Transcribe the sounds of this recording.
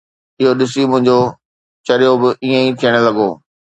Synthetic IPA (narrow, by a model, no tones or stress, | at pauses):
ɪɦoɗɪs̬imʊ̃ɦɪ̃ɲd͡ʑo | t͡ɕɐɾijobɪʔiːẽĩt̪ʰijəɽ̃lɐɡoː